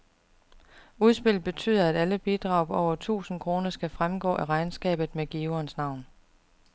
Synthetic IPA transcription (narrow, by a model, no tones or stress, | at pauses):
uð̞ˠsb̥e̝l̰̥̚b̥e̝t͡sʰy̰ːð̞̰ˠɐæɾ̥æləb̥id̥ʁɑ̈ʊb̥ɒʊɐt͡sʰṵːsn̩kʰʁo̝ːnɐsɡ̥æfʁamɡ̥ɔ̰̽ːʔæʁɑ̈ɪnsɡ̥ɛ̰ːb̥ð̩ˠmeɡ̥iːɐnsnɑ̈ʊ̰n